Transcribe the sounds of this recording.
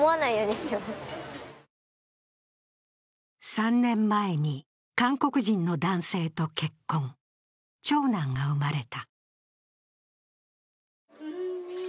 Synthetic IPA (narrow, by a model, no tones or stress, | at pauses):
oanaijoːd̪esjo | sãnːẽ̞mːae̞ɲ̟i | kãŋko̞kɯ̟ʑĩnːo̞d̪ãɰ̃se̞ːt̪o̞ke̞kːõ̞ŋ | t͡ɕo̞ːnãŋɡaɯ̟maɾe̞t̪a